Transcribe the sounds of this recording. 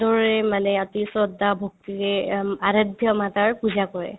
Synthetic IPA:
dɔɹɔɹɛmanɛatisɹɔdːabʱok̚tiɹɛaɹadʱjɔmataɹpuzakɔɹɛ̰

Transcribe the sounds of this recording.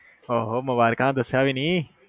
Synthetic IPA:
oːɦoːmʊbaːɾɪkãːd̪əsjaːʋiniː

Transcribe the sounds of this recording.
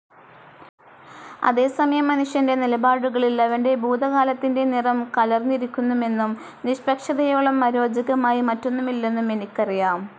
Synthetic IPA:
ɐ̰ðe̞ːsɐmɐjɐmːɐnuʂjɐnde̞nilɐbaːɽuɣɐɭilɐʋɐnde̞buːd̪ɐɣaːlɐt̪ːinde̞nirɐmkɐlɐrniɾikʲːunːume̞nːum | niɕpɐkʂɐðɐjo̞ːɭɐmːɐɾo̞ːd͡ʑɐɣɐmaːjimɐtːo̞nːumilːe̞nːume̞nikʲːɐrijaːm

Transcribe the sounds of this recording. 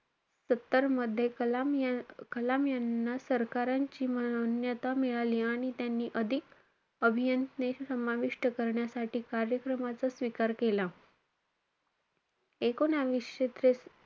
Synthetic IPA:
sət̪ːəɾməd̪ʱːjemkəlamjanːasəɾkaɾaɲt͡ɕiːməonjət̪amiɭaliːaɽ̃it̪janːiːʔəd̪ʱik | əbʱijənt̪nesəmaʋiʂʈəkəɾɳjasaʈiːkaɾjəkɾəmat͡sasʋikaɾkela | ekonaʋiɕet̪ɾe

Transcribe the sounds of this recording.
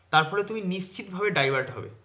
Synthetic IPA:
t̪aɾfɔɾet̪uminiʃt͡ɕʰit̪bʱabeɖajbaɾɖɦɔ̰bḛ

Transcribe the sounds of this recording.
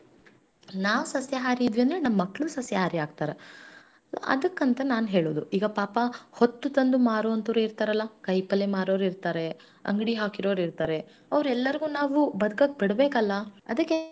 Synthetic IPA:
naːʋusɐsjɐɦaːɾiid̪ʋiɐnd̪ɾenɐmːɐkːɭusɐsjɐɦaːɾiaːɡ̚t̪aːɾḛ | ɐ̰d̪ɐkːɐnt̪ɐnaːnɦe̞ːɭoːd̪uiːɡɐpaːpɐhot̪ːut̪ɐnd̪umaːɾoːɐnt̪ɐɾuiɾt̪aːɾɐlːɐkɐjpɐlemaːɾoːɾiɾt̪aːɾe̞ | ɐ̰ŋɡɽiɦaːkiɾoːɾiɾt̪aːɾe̞ | ɐʋɾuɛlːɐɾiɡuːnaːʋubɐd̪ɐkɐk̚ːbiɽbeːkɐlːɐɐd̪ɐkːe

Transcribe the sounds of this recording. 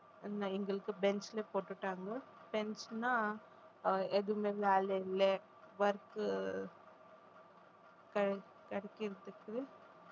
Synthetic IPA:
ɛnaɪŋɡɐɭɯkːɯbɛnslepoːʈːɯʈːaːŋɡɐ | b̥ɛnsnaː | ɛðɯmeːʋeːlɛjɪle | ʋɐɾk | kɐ | kɐɽɛkːɪɾɐt̪ːɯkːɯ

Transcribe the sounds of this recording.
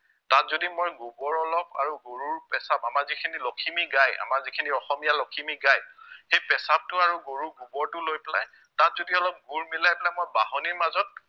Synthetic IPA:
tatzodimojɡubɔɹɔlɔpa̰ɹuɡoɹuɹpɛsapamaɹzikʰinilɔkʰimiɡaja̰maɹzikʰiniɔxɔmijalɔkʰimiɡajxejpɛsap̚tʊaɹuɡoɹuɡubɔɹtʊlojpɛlaj | tatzodiɔlɔp̚ɡuɹmilajpɛlajmojbaɦɔniɹmazɔt̚

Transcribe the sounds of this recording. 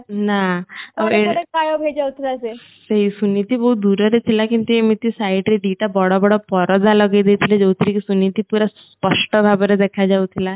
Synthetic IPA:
naɔeekajobʱed͡ʒawt̪ʰilase | seɦisunit̪ibɔɦut̪̚d̪uɾɔɾet̪ʰilakint̪uemit̪isajiʈɾeɖiʈabɔɽɔbɔɽɔpɔɾɔd͡zalɔɡed̪et̪ʰiled͡zɔwt̪ʰɾikisunit̪ipuɾasspəʂʈɔbʱabɔɾed̪ɛkʰad͡zaut̪ʰila

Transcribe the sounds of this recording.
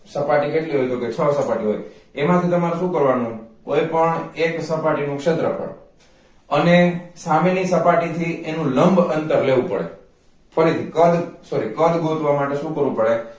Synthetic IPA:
səpaʈik̬eʈliɦojd̪oket͡ʃʰəsəpaʈiɦo̰jemãt̪ʰit̪əmaɾuʃũkəɾʋanũkojpəɳeksəpaʈinũkʃet̪ɾəpə̰ɳ | ənesamenisəpaʈit̪ʰiʔenũləmbənt̪əɾleʋũpəɽḛ | fʰəɾit̪ʰikəd̪soɾikəd̪ɡʱot̪ʋamaʈeʃũkəɾʋũpəɽe

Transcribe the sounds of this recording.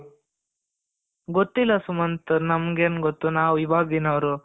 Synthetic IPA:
ɡot̪ːilːɐsumɐnt̪ɐnɐmɡeːnɡot̪ːunaːwʋibʱaːɡd̪inɐʋɾu

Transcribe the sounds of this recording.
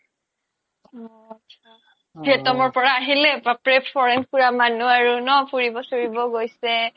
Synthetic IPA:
bʱiɛtɔmɔɹpɔɹaːɦilɛpapɹɛpʰɔɹɛnkuɹamanuaɹunɔpuɹibɔsoɹibɔɡojsɛ

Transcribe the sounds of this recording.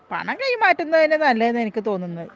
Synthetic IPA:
pɐ̰ɳɐŋkɐjimaːtːunːɐðinːenɐlːɐenːenikʲːɨt̪o̞ːnːunːɐðɨ

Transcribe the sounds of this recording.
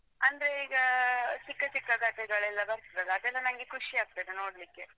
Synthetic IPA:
ɐnd̪ɾeiːɡɐt͡ʃikːɐt͡ʃikːɐɡɐʈɛɡɐɭɛlːɐbɐɾt̪iɾɐlːɐɐd̪ɛlːɐnɐŋɡekʰuʂiaːɡ̚t̪ɐd̪enoːɽlikːe

